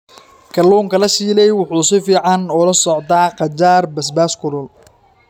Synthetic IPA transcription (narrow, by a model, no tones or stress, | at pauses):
kʰɐluːŋkʰɐlɐsiːlɛjwʊħuːsɪfiːʕɑnɔlɐsɔʕt̪d̪aːqɑt͡ʃaːrbɐsbaːskʰʊlʊl